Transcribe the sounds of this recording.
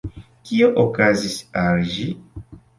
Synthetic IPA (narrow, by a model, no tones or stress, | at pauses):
kioʔokazisalʒi